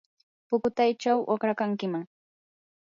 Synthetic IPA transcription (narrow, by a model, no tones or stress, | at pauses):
pʊkʊt̪ajt͡ʃawʔo̰kɾakaŋkɪmaŋ